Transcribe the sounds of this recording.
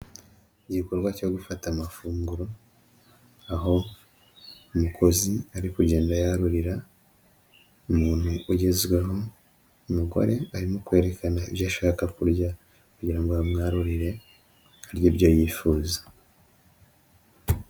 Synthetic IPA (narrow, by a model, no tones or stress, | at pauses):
iɟiko̞ɾɡwaco̞ɡufatamafuːŋɡuɾo̞ | aɦo̞ | umukʰo̞ziaɾikuɟe̞ːndajaɾuɾiɾa | umuːn̥huʔuɟe̞zɡweɦo̞ | umuɡo̰ɾe̞aɾimo̞kwe̞ːɾe̞kʰanaiβjaːʃaːkakuɾɟa | kuɟiɾaŋɡoamŋaːɾuɾiɾe̞ | aɾjiɾɟo̞ːjiːfuːzḁ